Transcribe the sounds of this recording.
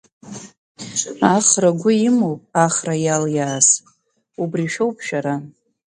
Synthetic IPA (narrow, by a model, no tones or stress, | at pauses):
aχraɡʷʊimowpʼaχrajaljaːs | ubriʃᶣowpʰʃᶣaɾa